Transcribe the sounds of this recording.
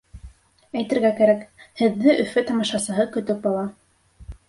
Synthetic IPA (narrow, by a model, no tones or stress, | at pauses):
æjt̪ɘ̆ɾɡækæɾækhɘ̆ðːɘʔɵ̆fɘt̪ɑmɑʃɑsɤ̆ɦɤkɵ̆t̪ɵk̚bɑlˠɑ